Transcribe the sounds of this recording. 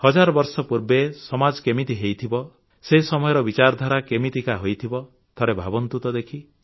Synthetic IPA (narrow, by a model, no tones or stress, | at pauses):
hɔd͡ʒaɾɔbɔɾsɔpuɾbesɔmad͡ʒɔkemit̪iɦejt̪ʰibɔ | sesɔmɔjɔɾɔbit͡ʃaɾɔd̪ʱaɾakemit̪ikaɦojt̪ʰibɔ | t̪ʰɔɾebʱabɔnt̪ut̪ɔd̪ekʰi